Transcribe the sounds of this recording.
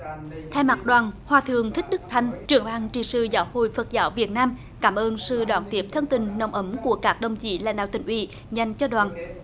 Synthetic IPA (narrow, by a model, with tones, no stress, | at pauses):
t̪ʰa˧jma˨˩ɗwaː˨˩nhwaː˨˩t̪ʰɨ˨əŋt̪ʰï˦˥k̟̚ɗɨ˦˥k̚t̪ʰa˧jŋ̟t͡ɕɨ˨˩əŋhaː˨˩ŋt͡ɕḭ˧˨˩sɨ̰˧˨˩zaː˨˦who̰˧˨jfə˨˩t̚zaː˨˦wvi˨˩ət̚naː˧m | kaː˧˩mʔəː˧nsɨ̰˧˩ɗwaː˧˩nt̪i˦˥p̚t̪ʰə˧nt̪ï˨˩ŋ̟nə˨˩wŋ͡mʔə˨˦mku˧˩əkaː˦˥k̚ɗə˨˧˩wŋ͡mt͡ɕḭ˧˩la̰ː˧˥nɗaː˧˨t̪ï˧˨˩ŋ̟ʔwḭ˧˩˦ | za˨˩jŋ̟t͡ɕɔ˧ɗwaː˨˩n